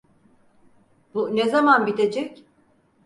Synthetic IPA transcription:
bunezamanbit̪ʰed͡ʒɛc

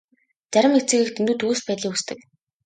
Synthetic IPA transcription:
t͡sæɾʲɪ̆mekt͡sɘ̆ɣɘ̆kt̪ʰend̪uːt̪ʰuɣuːspæːt̪ɮiːkust̪ɘ̆k

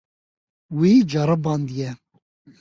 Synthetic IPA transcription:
wiːd͡ʒɑɾɨbɑnd̪jɛ

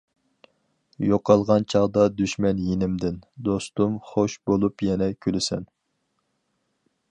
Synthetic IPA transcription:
joqɑlˠʁɑnt͡ʃʰɑʁd̪ɑd̪yʃmɛnjenɪmd̪ɪnd̪ost̪umχoʃbolˠupjɛnɛkʲʰølɪsɛ̰n

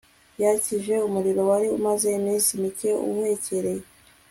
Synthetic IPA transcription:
jaciʒe̞umuɾiɾo̞waɾiṵmaze̞imĩːnsimice̞ṵhe̞ceɾe̞je

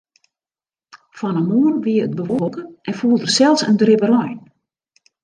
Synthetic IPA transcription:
fɔnəmoənʋiəət̚bəʋokənʔɛnfuːlˠdərsɛlˠsəndrɪbərɔjn

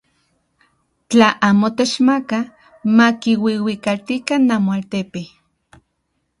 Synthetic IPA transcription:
t͡ɬaʔaːmot̪et͡ʃmaka | makiwiwikalt̪ikanːamoalt̪epe

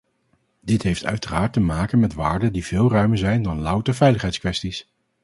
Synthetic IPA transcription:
dɪtɦejftœ̰ɥtəraːɹtəmaːkənmɛtʋaːɹdədiv̥ɪːlˠrœɥməɹzɛjndɑnlʌwtəɹvɛjləχɛjtskʋɛstis

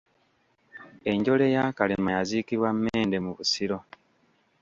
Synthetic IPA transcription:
e̞ɲɟo̞le̞jakalemajazikiβwamːeːnde̞muβusiɾo̞

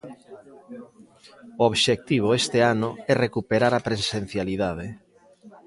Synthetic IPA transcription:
ooβʃek̚t̪iβ̞oest̪eanʊɛrekupeɾaɾapɾesen̟θjaliðað̞e

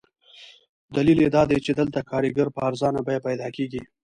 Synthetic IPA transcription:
d̪ɐliled̪ɑd̪ejt͡ʃed̪əlt̪akɑːɾiɡaɾpəːɾzɑːnabajapɐjd̪ɑːkeːɡi

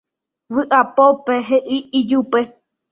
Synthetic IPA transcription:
ʋɨʔapopeɦeʔiid͡ʒupe

